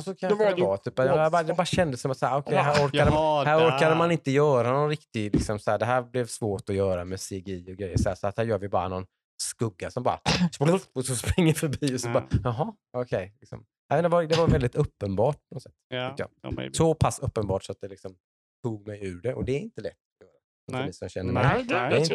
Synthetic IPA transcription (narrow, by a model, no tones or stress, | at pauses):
sɔkʰad̪ɛvɑːt̪ʰyːpːajad̪ɛbɑːɾaɕɛnd̪əsɔmat̪sæːɾɔkʰɛjɦæːɾɔɾad̪əhæːɾɔɾkad̪əmanɪnt̪əjœːɾanɔnɾɪkt̪ɪlɪksɔmsɔæːɖ̪ɛɦæːɾblɛvsvoːʈɔjœːɾamɛseɡiːɔɡɾɛjːə̰sɔhæːsɔat̪hæːɾjœːɾvɪbɑ̰ːɾa̰nɔn | skɵɡːasɔmbɑ̰ːɾa̰ssɔspɾɪŋːəfœɾbiːɔsɔbɑːɾɑɦɑ | ɔkʰɛjlɪksɔ̰m | nɛːmɛnd̪ɛvaɾd̪ɛvaɾvɛld̪ɪt̪ɵpːənbɑːʈ̚pʰɔnɔt̪sɛt̪ːʰʏk̪ːəjɑ̰ːsɔpʰasːɵpːənbɑːʈsɔat̪̚d̪ɛlɪksɔm | t̪ʰuːɡmɛjʉ̟ːɖɛʔɔd̪ɛːɾɪnt̪əlɛ̰t̪ːat̪jœːɾa | ɛnfœmiːsɔmɕɛnːəmɛ̰dɛɛɪn